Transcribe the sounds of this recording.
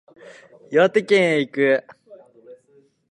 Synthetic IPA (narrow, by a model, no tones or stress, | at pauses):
jot̪ekʲẽɰeikɯ